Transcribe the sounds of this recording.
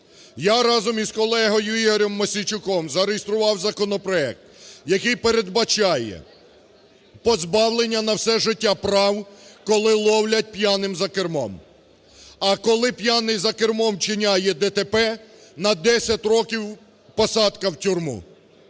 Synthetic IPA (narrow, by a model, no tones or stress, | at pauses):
jaɾɑzɔmizkɔlˠɛɦɔjʊiɦɔɾʲɔmːɔsʲit͡ʃʊkɔmzɐɾejɪst̪ɾʊʋɑwzɐkɔnɔpɾɔɛk̚t̪jɐkɪjpeɾed̪bɐt͡ʃɑjɛ̰ | pɔzbɑwlˠenʲːɐnɐwsɛʒɪtʲːapɾɑwkɔlˠɪlˠɔwlʲɐt̚ʲpjanɪmzɐkermɔm | ɐkɔlˠɪpʲjanɪjzɐkermɔmt͡ʃɪnʲajɛd̪ɛt̪epɛnɐd̪ɛsʲɐtʲrɔkʲiw | pɔsɑd̪kɐwtʲurmṵ